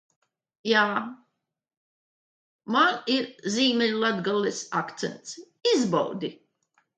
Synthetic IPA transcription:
jaː | maniɾziːmenʲlˠad̪ɡalˠːisakt̪sɛ̰nt̪s | izbɔ̰wd̪i

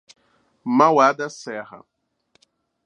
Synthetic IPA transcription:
mawad̪ɐsɛɦɐ̰

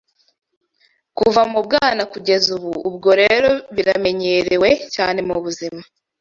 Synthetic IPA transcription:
kuvamubɡaːnakuɟe̞zuβuːb̚ɡo̞ɾe̞ɾo̞βiɾame̞ɲeɾewe̞ca̰ːne̞muβuzima

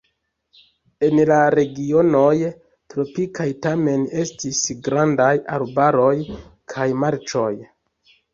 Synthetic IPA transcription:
e̞nlaɾe̞ɡio̞no̞j | tɾo̞pikʰajtame̞ne̞stisɡɾandajalbaɾo̞jkʰajmaɾt͡ʃo̞j

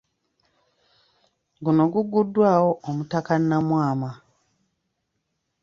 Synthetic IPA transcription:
ɡuno̞ɡuɡudːwaːwoʔomutakanːamwaːma

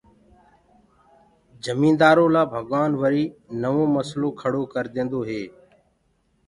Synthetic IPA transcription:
d͡ʒəmĩːnd̪aːɾoːlaːbʱəɠʋaːnʋəɾiːnəʋõːməslõːkʰəɽoːkəɾd̪ẽːnd̪oːɦeː

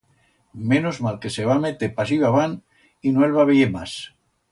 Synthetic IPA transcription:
menozmalkeseβamet̪epasiβaβan | inoelβaβeemas

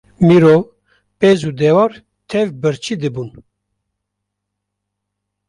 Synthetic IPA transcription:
miɾo | pezud̪ɛvɑːɾ | t̪ʰɛvbɨɾt͡ʃʰid̪ɨbun

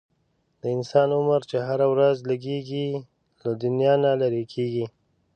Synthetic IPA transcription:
d̪̥əɪnsɑnʊməɾt͡ʃeɦaɾawɾazləɡeɡi | lad̪ʊnjɑnalaɾekʰeɡi

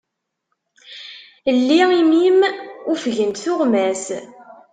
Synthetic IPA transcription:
lːiimimufʝənt̪θʊʁmæs

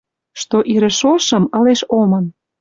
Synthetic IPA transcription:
ʃt̪oʔiɾə̆ʃoʃɤ̆mɤ̆leʃomɤ̆n

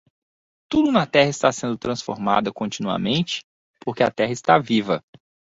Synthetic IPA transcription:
t̪ud̪ʊnɐt̪ɛɦɐɪst̪asẽnd̪ʊt̪ɾɐ̃sfo̰ɾma̰d̪ɐkõnt͡ʃinuɐ̰mẽnt͡ʃɪ̥ | poɾkeɐt̪ɛɦɐɪst̪avivɐ

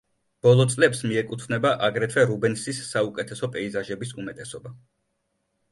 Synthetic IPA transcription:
b̥ɔlˠɔt̪sʼlɛpsmiɛkʼut̪ʰvnɛbaʔaɡɾɛt̪ʰwɛɾubɛnsisːaukʼɛt̪ʰɛsɔpʼɛizaʒɛbisumɛt̪ʼɛsɔba

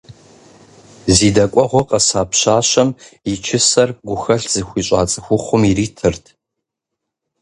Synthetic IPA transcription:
ziːdɐkʷʼɔʁʷɔqʼɐsaːpʰɕaːɕɐmit͡ʃʰɪsɐrɡʷʊxɐɬz̥ɨxʷiːɕʼa̰ːt͡sʼɨxʷʊχʷʊmiriːtʰɨrtʰ

